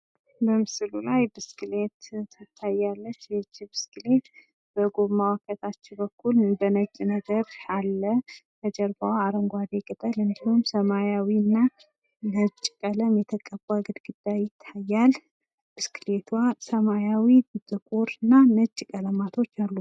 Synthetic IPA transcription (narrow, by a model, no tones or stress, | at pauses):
bəmɨsɨlulajbɨskʰʼɨlet̪ʰɨt̪ʰːajalːət͡ʃːjɛt͡ʃːibɨskʰʼɨlet̪ | bəɡoβmawkʰət̪ʰat͡ʃːɪbəkʰːulbənət͡ʃʼːinəɡəɾalːət̪ʰəd͡ʒəɾbawaɾəŋɡʷad̪ekʼɨt̪ʼəlɨnd̪ihumsəmajawinːa | nət͡ʃʼːkʼələmjɛt̪ʰəkʼəbaɡɨd̪ɡɨd̪̥ːajɪt̪ʰːajːal | b̥ɨskʰɨlet̪ʰwasəmajawid̪ɨt̪ʼɨkʼoɾɨnːanət͡ʃʼːkʼələmat̪ʰo̞t͡ʃːalːu